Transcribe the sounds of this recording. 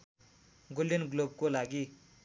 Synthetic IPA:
ɡuljinɡlob̚kolaɡi

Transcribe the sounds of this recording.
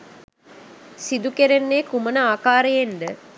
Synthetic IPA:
sid̪ukeɾenːeːkumənəaːkaːɾejend̪ə

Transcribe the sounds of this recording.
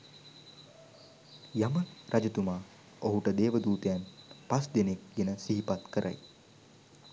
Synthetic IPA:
jaməɾʔad͡ʒət̪umaː | oɦuʈəd̪eːʋəd̪uːt̪ejanpasd̪enek̚ɡenəsiɦipat̪kəɾʔa̰j

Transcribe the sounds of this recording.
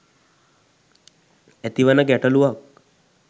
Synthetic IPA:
ɛt̪iʋanəɡɛʈəluʋak̚

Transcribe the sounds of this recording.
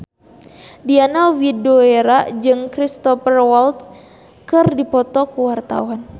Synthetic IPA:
dianawidoeɾad͡ʒɨŋkɾist̪ɔpɛrwalt̪ | kɨrdipɔt̪ɔkuwart̪a̰uan

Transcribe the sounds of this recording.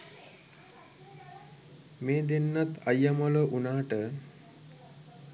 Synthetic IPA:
meːd̪enːat̪ajːəmələʔunaːʈə

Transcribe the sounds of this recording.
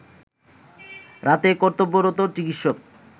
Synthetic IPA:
ɾat̪ekɔɾt̪obːoɾot̪ot͡ɕikit̪ʃok

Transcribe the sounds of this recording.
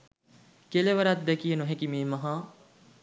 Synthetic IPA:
keleʋɐɾat̪̚d̪ɛkijenoɦẽkimeːmɐɦãː

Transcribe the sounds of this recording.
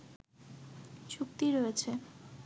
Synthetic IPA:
t͡ɕuk̚t̪iɾoet͡ɕʰe

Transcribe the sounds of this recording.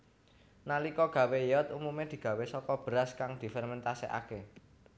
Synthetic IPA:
nalikɔɡ̥ä̤wejɔt̪umumed̪̥i̤ɡ̥ä̤wesɔkɔb̥əɾaskaŋd̪̥i̤fɛrmɛnt̪asḛʔa̰ke

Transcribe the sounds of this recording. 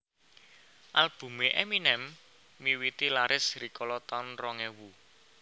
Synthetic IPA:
ʔalb̥ṳmeʔɛminɛmː | iwit̪ilaɾɪsrikɔlɔt̪ɔnrɔŋɛwu

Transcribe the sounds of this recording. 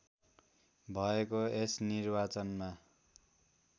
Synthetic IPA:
bʱʌekoesnirbat͡sʌnma

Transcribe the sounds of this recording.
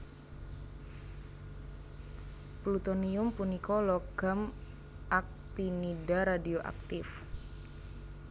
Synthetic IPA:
plut̪oniʊmpunikolɔɡ̥am | ʔak̚t̪inidaɾadioʔa̰k̚t̪ɪf

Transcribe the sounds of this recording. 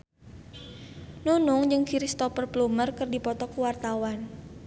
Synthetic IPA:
nunɔŋd͡ʒɨŋkiɾist̪ɔpərplumərkərdipɔt̪ɔkuwart̪awan

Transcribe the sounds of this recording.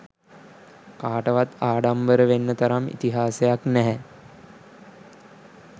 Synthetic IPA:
kaːʈəʋat̪aːɖambəɾəʋenːət̪ɐɾamḭt̪iɦaːsejaknɛɦɛ

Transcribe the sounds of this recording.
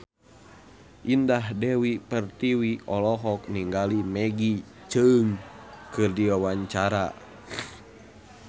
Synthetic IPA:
ʔindaɦdɛwipərt̪iwiʔɔlɔɦɔk̚niŋɡalimɛɡi | t͡ʃəŋkɨrdiwawaɲt͡ʃaɾa̰

